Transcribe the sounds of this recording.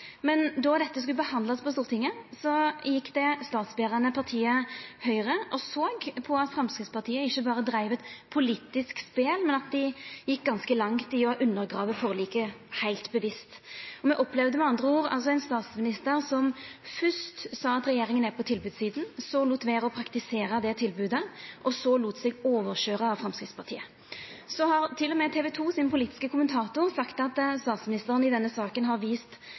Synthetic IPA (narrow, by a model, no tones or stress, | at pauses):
mɛnd̪ɔʁd̪ɛt̪ːəskʉləbəhɑnd̪lɑspʰɔst̪uːʁət̪ʰɪŋːəsɔjɪkːd̪ɛst̪ɑːt̪sbeːʁɑnəpʰɑʁt̪ʰiːəhœʏʁəʔɔsoːɡpʰɔɑt̪fɾɑmskɾɪt̪spʰɑʁt̪ʰiːəɪçːəbɑːɾəd̪ɾæɪʋɛt̪pʰʊliːt̪ːɪskspeːlmɛnɑt̪̚d̪ɪjɪk̚ːɡɑnskəlɑŋt̪ɪɔʔʉnːəʁɡʁɑːʋəfɔʁliːkəhæɪlt̪bəʋɪst̪ɔmɛʔɔpːlɛʋd̪əmɛɑnd̪ʁəuːʁɑ̰ls̬ɔɛɪnst̪ɑːt̪smɪnɪst̪əʁsɔmfʏʂt̪sɑːɑt̪ʁɛjeːʁɪŋənæʁpʰɔt̪ʰɪlbʉːd̪siːd̪n̩sɔluːt̪ʋeːʁɔpʰɾɑkt̪ɪseːɾəd̪ɛt̪ʰɪlbʉːd̪əʔɔsɔluːt̪sɛɡoːʋəʁʃøːʁəɑʋfʁɛmskɾɪft̪spɑʁt̪ʰḭːə | sɔhɑʁt̪ʰɪlːɔmɛt̪ʰɛːʋɛt̪ʰuːsɪnpʰʊliːt̪ɪskəkʰʊmənt̪ʰɑːt̪ʊʁsɑkt̪ɑt̪st̪ɑːt̪smɪnɪst̪əʁənɪd̪ɛnːəsɑːkənɦɑʁʋiːst̪